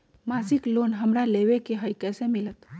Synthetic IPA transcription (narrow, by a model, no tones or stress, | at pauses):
maːsɪkloːnɦɐmɾaleːʋekeɦəjkɛːsemɪlət̪